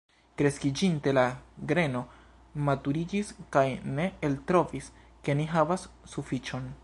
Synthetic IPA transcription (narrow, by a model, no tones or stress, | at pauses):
kɾe̞skid͡ʒinte̞laɡɾe̞no̞ | matuɾid͡ʒiskajne̞eltɾo̞vis | ke̞niɦavasːufit͡ʃo̞n